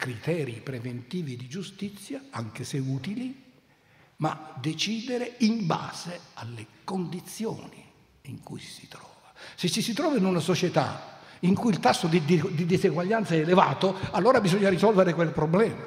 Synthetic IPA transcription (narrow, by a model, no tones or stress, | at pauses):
kɾit̪ɛːɾipɾevent̪iːvid̪id͡ʒust̪it̪sːjaaŋk̟eseuːt̪ili | ma̰d̪et͡ʃiːd̪eɾeimba̰ːz̥ealːekond̪it̪sːjo̰ːni | iŋkujsi̥t̪ɾɔːvasɪsːisit̪ɾɔːvainunasot͡ʃet̪a̰iŋkujilt̪asːod̪id̪d̪id̪eziɡwaʎːant̪saɛːleva̰ːt̪oalːoːɾabizɔɲːaɾisɔlveɾekwelpɾoblɛːma